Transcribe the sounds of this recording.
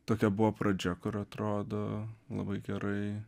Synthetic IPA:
t̪oːkʲɛbʊʋoːprɐd͡ʒʲɛkʊɾɐt̪ɾoːd̪oːlˠɐ̰bɐɪɡʲɛɾɐɪ

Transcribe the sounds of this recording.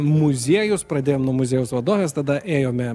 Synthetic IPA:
mʊzʲiɛjʊspɾɐd̪ʲeːjoːmnuɔmʊzʲeːjʊsʋɐd̪oːʋʲeːst̪ɐd̪ɐʔeːjoːmʲɛ

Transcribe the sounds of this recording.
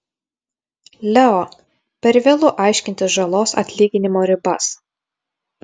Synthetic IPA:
lʲɛɔ | pʲɛɾʋʲeːlˠʊʔɑˑɪʃʲkʲɪnʲt̪ʲɪsʒɐlˠoːsɐ̰t̪ʲlʲiːɡʲɪnʲɪmoːɾʲɪbɐs

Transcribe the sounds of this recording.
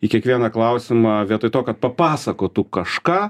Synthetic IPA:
ikʲiɛkʋʲiɛnɐklˠɐʊsʲɪmɑʋʲiɛt̪ɐɪt̪oːkɐt̪̚pɐpɑːsɐkoːt̪ukɐʃkɑː

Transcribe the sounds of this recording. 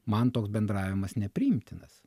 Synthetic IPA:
mɐnt̪oːksbʲɛnd̪ɾɑːʋʲɪmɐsnʲɛpʲɾʲɪɪmʲt̪ʲɪnɐs

